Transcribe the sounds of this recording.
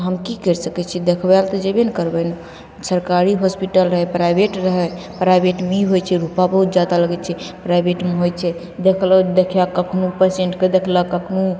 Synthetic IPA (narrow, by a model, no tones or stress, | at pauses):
ɦəmkikəɾsəkɛt͡ʃʰid̪ekʰbɛlt̪ɔd͡ʒebenkəɾbəjnu | səɾkaɾiɦɔspiʈəlɾəɦɛpɾajbeʈɾəɦɛ | pɾajbeʈmeiɦojt͡ʃʰɛɾupabəɦut̪̚d͡ʒad̪aləɡɛt͡ʃʰɛpɾajbeʈmeɦojt͡ʃʰɛ | d̪ekʰləd̪ekʰjakəkʰnupəsẽɳʈked̪ekʰləkəkʰnu